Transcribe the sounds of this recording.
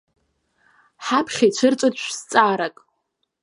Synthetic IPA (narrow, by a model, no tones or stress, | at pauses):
ħapʰχʲet͡ɕʷʰɨrt͡sʼɨt͡ɕʷʰst͡sʼaːɾakʼ